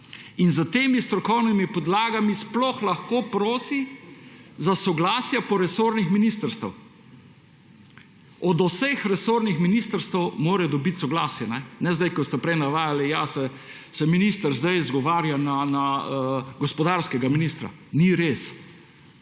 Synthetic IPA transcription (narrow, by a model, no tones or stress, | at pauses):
inzət̪eːmist̪ɾɔkɔwnimipɔd̪laːɡamisplɔxlaxkoːpɾoːsi | zasɔɡlaːsjɛpɔɾɛsoːɾnixminist̪əɾst̪əw | ɔd̪osexɾɛsoːɾnixminist̪əɾst̪ɛwmoːɾɛd̪ɔbit̪sɔɡlaːsjɛnɛnɛzd̪ajkɔst̪ɛpɾɛjnaʋaːjalijasɛ | sɛminist̪əɾzd̪ajzɡɔʋaːɾjanana | ɡɔspɔd̪aɾskɛɡaminist̪ɾa̰ | niɾeːs